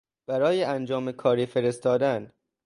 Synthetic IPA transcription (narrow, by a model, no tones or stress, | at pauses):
b̥æɾɒːjeʔænd͡ʒɒːmekʰɒːɾiːfe̞ɾe̞st̪ɒːd̪æn